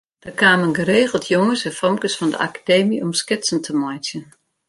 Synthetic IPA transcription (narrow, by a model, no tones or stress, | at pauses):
d̥ərkʰaːmənɡəreːɣəl̩ˠtʰjoŋəsɛ̃nfɔmkəsfɔndə̰ʔa̰kḁdeːmiɔmskɪtsən̩tʰəmɔjtjən